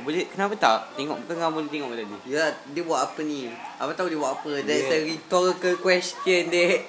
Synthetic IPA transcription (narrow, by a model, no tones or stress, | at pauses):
bolekənapat̪aʔt̪eŋɔ̰k̚t̪əŋabolet̪eŋɔʔkt̪adijadiəbuaʔapənĩʔapat̪audibwaʔapədɛsəɾit̪ɔkəkwɛst̪jənde